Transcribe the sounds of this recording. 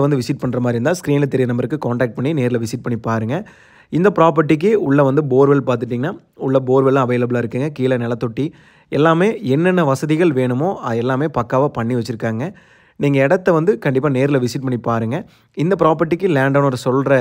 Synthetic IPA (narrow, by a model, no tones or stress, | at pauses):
ʋɐnd̪ɯʋɪsɪʈ̚pɐɳːɾɐmaːdɾɪɾɯnd̪aːskɾiːnɪlɐt̪ɛɾɪjɐnɐmbɐɾɯkːɯkaːɳʈaːk̚ʈ̚pɐɳːineːɾɪlɐʋɪsɪʈ̚pɐɳːipaːɾɯŋɡɐ | ɪnd̪ɐpɾaːp̬ɐʈ̬ːik̬ːɯʊɭːɐʋɐnd̪ɯboːɾʋɛlpaːɾt̪ɯʈːiːŋɡɐnːaː | ʊɭːɐboːɾʋɛlãːɐʋɐːlɐbɯɭaːɪɾɯkːɯːŋɡɐkiːlɐnɛlɐt̪ːɔʈːi | ɛlːaːmeːɛnːɛnːɐʋɐsɐðɪɣɐɭʋeːɳɯmoːɐɛlːaːmeːpɐkːaːʋɐpɐɳːiʋɐt͡ʃːɪɾɯkːaːŋɡɐ | niːŋɡɐɛɽɐt̪ːɐʋɐnd̪ɯkɐɳɖɪpːaːneːɾɪlɐʋɪsɪʈ̚pɐɳːipaːɾɯŋɡɐ | ɪnd̪ɐpɪɾaːpɐʈ̬ːikːɯlaːɳɖɐːnɔɾɐsɔlɾɐ